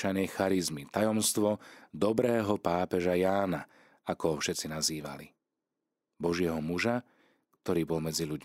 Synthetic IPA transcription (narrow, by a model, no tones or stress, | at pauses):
t͡ʃajnɛjxaɾizmit̪ajɔmst̪ʋɔd̪ɔbɾɛːɦɔpaːpɛʒajaːna | akɔɦɔfʃɛt͡sinaziːʋa̰lḭ | bɔʒɪɛɦɔmuʒa | kt̪ɔɾiːbɔlmɛd͡ziʎuɟ